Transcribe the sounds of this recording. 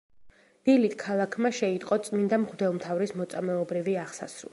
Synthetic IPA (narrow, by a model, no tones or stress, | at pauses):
d̪̥ilit̪ʰkʰalˠakʰmaʃɛit̪ʼqʼɔt̪sʼmind̪amʁd̪ɛlˠmt̪ʰavɾismɔt̪sʼamɛɔbɾiviaʁsa̰sɾṵlˠ